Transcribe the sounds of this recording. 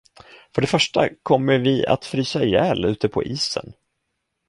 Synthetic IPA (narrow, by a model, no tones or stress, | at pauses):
fœɖɛfœʂʈakʰɔmːəɾvɪa̰t̪fɾyːsajɛːlʉ̟ːt̪əpʰɔ̰ʔiːsə̰n